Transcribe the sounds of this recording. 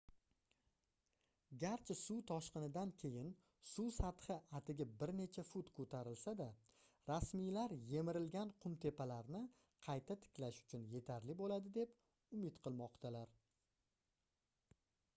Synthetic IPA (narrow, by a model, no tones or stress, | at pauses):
ɡʲaɾt͡ʃʰɪsuwt̪ʰɒʃqɨnɪd̪ankʲʰe̞jɪn | susat̪hɨʔat̪ʰɪɡʲabɪɾne̞t͡ʃʰafʊt̪kʰɵt̪ʰaɾɪlsad̪a | ɾasmijlaɾje̞mɪɾɪlɡʲanqʰʊmt̪ʰe̞pʰalaɾnɪ | qʰɑjt̪ʰat̪ʰɪ̥kʲlaʃʊ̥t͡ʃʰʊnje̞t̪ʰaɾlɪbolad̪ɪd̪e̞p | ʊmɪt̪qʰɨlˠmɒqt̪ʰalaɾ